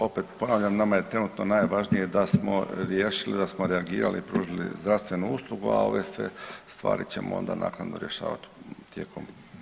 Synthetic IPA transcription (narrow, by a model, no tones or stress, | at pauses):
o̞pet̪po̞naːʋʎamnamaje̞t̪ɾe̞nut̪nonaːjʋaʒnijed̪asmo̰ɾjeːʃilid̪asmoɾeaɡiːɾa̰lḭːpɾuːʒilḭzd̪ɾaʋst̪ʋe̞nuuːslˠuɡua̰o̞̰ʋesʋe̞̰st̪ʋa̰ːɾit͡ɕe̞moo̰nd̪anʔa̰ːknad̪no̞ɾje̞ʃa̰ːʋa̰t̪t̪je̞ːkʰom